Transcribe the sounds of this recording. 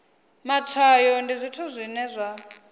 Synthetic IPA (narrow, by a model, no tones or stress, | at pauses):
mat͡sʰajɔndizʷitʰuzʷinɛzʷa